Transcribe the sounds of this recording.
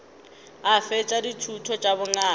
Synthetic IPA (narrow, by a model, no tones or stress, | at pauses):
afɛt͡ʃʼaditʰutʰɔt͡ʃʼaβʊŋaː